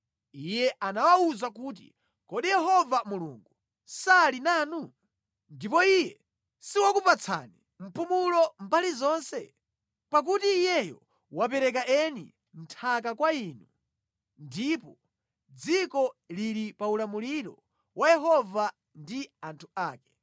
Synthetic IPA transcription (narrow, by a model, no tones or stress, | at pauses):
ijɛʔanawauzakuːt̬ḭ | kɔɗijɛɦɔvamulṵŋɡu | salinaːnu | ndipɔijɛ | siwakupat͡sʰa̰ni | m̩pumulɔmbalizɔːnsɛ̰ | pak̬utiːjɛjɔ̰ | wap̬ɛɾɛk̬aʔɛnḭ | m̩tʰakakwainu | ndiːpɔ | d͡zikɔliɾipaulamuliɾɔ̰ | wʔajɛɦɔva | ndiantʰuaːkɛ̥